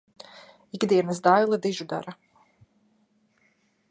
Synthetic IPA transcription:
iɡd̪iɛnɐsd̪ajlˠad̪iʒud̪a̰ɾa

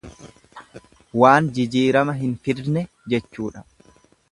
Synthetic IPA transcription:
waːnd͡ʒɪd͡ʒiːɾɐmɐɦɪnfɪɾnɛ | d͡ʒɛt͡ʃːuːᶑɐ

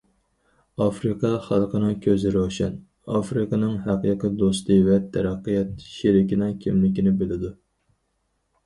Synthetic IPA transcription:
ɑfɾɨqʰɑχɑlˠqʰənɨŋkʲʰøzɪɾʃɛn | ɑ̰fɾɨqʰɑnɨŋɦæqiqʰɨd̪ost̪ɨvɛt̪ʰæɾæqːijɛt̪ʃeɾɪkʲinɪŋkʲʰimlɪkʲinɪbɪlɪd̪u

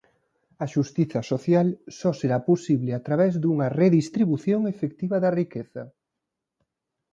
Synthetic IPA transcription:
ɐʃust̪iθɐsoθjalsɔseɾaposiβlɪat̪ɾaβɛzðuŋɐreðist̪ɾiβuθjoŋefek̚t̪iβɐðɐrikeθɐ

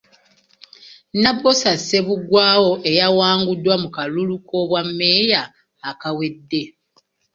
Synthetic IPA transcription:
nabosase̞βuɡwaːwo̞ʔe̞jawaːŋɡudːwamukalulukʰo̞βwamːe̞jaː | kawe̞dːe̞

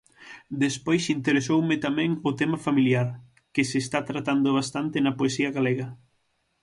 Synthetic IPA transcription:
d̪espojsint̪eɾesowmɪt̪amɛ̃ŋʊt̪ɛmɐfamiljaɾ | kesest̪at̪ɾat̪and̪ʊβ̞ast̪ant̪enɐpoesiɐɣaleɣɐ

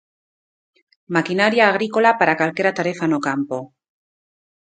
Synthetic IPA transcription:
makinaɾjaːɣ̞ɾiko̞lapaɾakalke̞ɾat̪aɾe̞fanokampo

